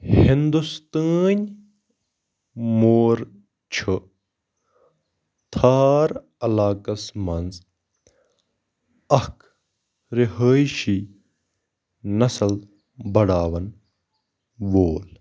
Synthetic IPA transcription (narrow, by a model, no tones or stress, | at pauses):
hind̪ust̪əːnʲ | moːɾ | t͡ʃʰə | t̪ʰaːɾ | ɐlaːkɐsmɐnz | ɐk | ɾiɦəːjʃiː | nɐsɐl | bɐɽaːʋɐn | ʋoːl